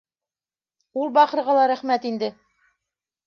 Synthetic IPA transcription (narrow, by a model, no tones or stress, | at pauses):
ulˠbɑqɤ̆ɾʁɑlˠɑɾæχmæt̪ind̪ɘ